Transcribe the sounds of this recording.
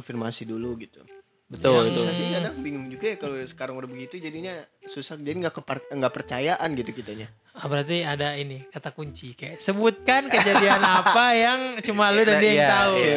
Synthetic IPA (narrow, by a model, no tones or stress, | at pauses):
nfirmasiduluɡit̪u | bət̪ʊlbət̪ʊkasinadaŋbiŋʊŋd͡ʒuɡajakalosə̥kaɾaŋbəɾabəɡit̪ud͡ʒadiɲasusahd͡ʒadiŋɡaʔkəpŋɡaʔpərt͡ʃajaʔanɡit̪ukit̪aɲa | abəɾart̪̬iadainikat̪akuɲt͡ʃikajaʔsəbut̪̚kankəd͡ʒadianapajaŋt͡ʃumaludaiat̪au